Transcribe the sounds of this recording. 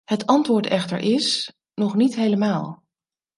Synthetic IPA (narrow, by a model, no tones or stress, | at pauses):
hətɑntʋʊːɹtɛχtə̰ɹʔɪs | nɔχnitɦejləmaːlˠ